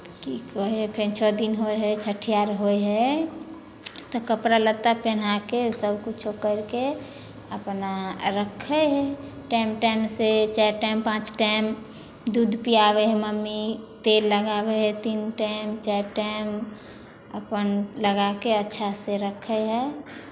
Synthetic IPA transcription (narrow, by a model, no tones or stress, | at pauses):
kikɔɦepʰent͡ʃʰɔd̪inɦojɦɛt͡ʃʰəʈʰijaɾɦojɦɛ | t̪ɔkəpɾalət̪ːapenakesəbkut͡ʃʰokəɾke | əpnaɾəkʰəɦɛʈaɪmʈaɪmset͡ʃaʈaɪmpãt͡ʃʈaɪm | d̪ud̪ʱpijabeɦɛməmːit̪elːəɡabeɦɛt̪inʈamt͡ʃaʈaɪm | əpənləɡakeətːʃʰaseɾəkʰəɦɛ